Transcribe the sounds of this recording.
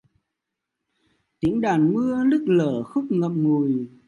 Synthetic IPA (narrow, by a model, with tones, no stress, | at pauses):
t̪i˨˦əŋɗaː˨˩nmɨ˧əlɨ˦˥k̚ləː˧˩xʊ˦˥k͡p̚ŋə˧˨mŋu˨˩j